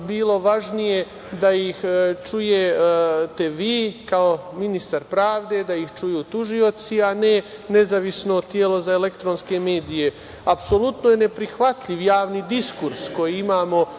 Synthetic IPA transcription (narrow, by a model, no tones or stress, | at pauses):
biːlo̞ʋaʒnije̞ | d̪aixt͡ʃujet̪e̞ʋiːkaominist̪aɾpɾaːʋd̪e̞d̪aixt͡ʃujuːt̪uʒio̞t̪siane̞ne̞zaʋisno̞t̪jelo̞zaele̞kt̪ɾonske̞me̞ːd̪ije̞ | apso̞lut̪nojene̞pɾixʋat̪ʎiʋjaːʋnid̪iskuɾsko̞jiimaːmo̞